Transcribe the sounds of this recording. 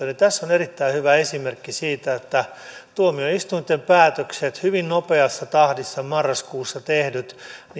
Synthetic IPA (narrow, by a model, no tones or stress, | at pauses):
ɑnit̪æsːonerit̪ːæihyʋæesimerkːisiːt̪æet̪ːæt̪uomiøist̪unt̪ːˑempæːt̪økset̪hyʋinnopeɑsːɑt̪ɑhdisːɑmɑrːɑskuːsːɑt̪ehdyt̪n